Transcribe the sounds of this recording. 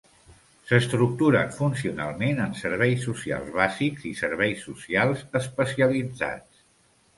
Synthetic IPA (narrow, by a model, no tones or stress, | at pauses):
səst̪ɾuk̚t̪uɾə̰nfunsiuna̰lˠmenənsəɾβɛjsːusia̰lˠzβazikzisəɾβ̞ɛjsːusialˠzəspəsiəlid͡za̰t͡s